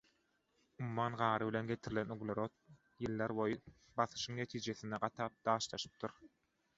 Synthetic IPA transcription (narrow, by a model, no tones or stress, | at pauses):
umumːɑːnɢɑːɾɯβile̞nɡe̞t̪ʰiɾilenyɣlʲeɾot̪̚ | jɯlˠːeɾbojɯ | bɑθɯ̥ʃɯŋne̞t̪ʰiːd͡ʒeθind̪eɢɑt̪ʰɑːp̚d̪̥ɑːʃlˠɑʃɯ̥p̚t̪ʰuɾ